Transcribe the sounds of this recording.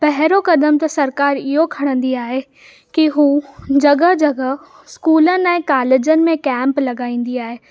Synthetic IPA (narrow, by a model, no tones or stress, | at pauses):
pɐɦɪɾokɐd̪əmt̪ɐsɐɾkaːɾɪɦokʰɐɽ̃ə̃nd̪iaːɦe | kiɦũːd͡ʑɐɡə̆d͡ʑɐɡə | skuːlənɪ̆ɛ̃ːkaːleːd͡ʑənɪ̆mẽkɛ̃ːmplɐɡaːĩːn̆d̪iaːɦeː